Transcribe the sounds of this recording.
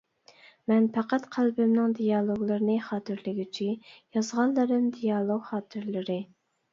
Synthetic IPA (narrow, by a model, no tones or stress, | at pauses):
mɛnpʰɑqɑt̪qʰælbɪmnɪŋd̪ijɑlˠoɡlˠɨɾɨnɨχɑːt̪ʰɨɾlɪɡʲit͡ʃʰijɑzʁɑlˠːɨɾɨmd̪ijɑlˠoɡχɑːt̪ʰɨɾlɨɾɨ